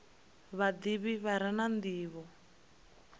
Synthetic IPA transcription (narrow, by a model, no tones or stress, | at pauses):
βad̪iβiβaɾanand̪iːβɔ